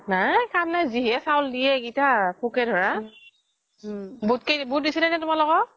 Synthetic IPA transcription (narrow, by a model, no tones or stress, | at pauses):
nakʰamnajziɦɛsawldiɛɡitakʰukɛdʱɔɹa | butkebut̚disinajnɛtʊmalɔɡɔ